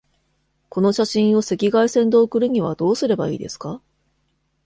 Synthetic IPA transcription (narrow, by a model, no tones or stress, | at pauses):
ko̞no̞ɕaɕĩɰ̃o̞se̞kʲiɡaisẽ̞nd̪o̞ːkɯ̟ɾɯ̟ɲ̟iβ̞a̰d̪o̞ːsɨɾe̞ba̰ḭːd̪e̞̰sɨ̥ka